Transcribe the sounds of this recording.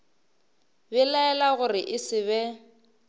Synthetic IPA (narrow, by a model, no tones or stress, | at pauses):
bɛlaɛlaɣʊrɪʔɪsɪβɛ